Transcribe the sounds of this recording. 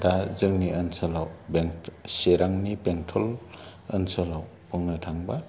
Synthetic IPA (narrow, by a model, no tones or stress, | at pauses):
dazɯŋniʔənsalawbeŋseɾaŋnibeŋtʰɔl | ənsəlaw | pʰɔŋnatʰaŋba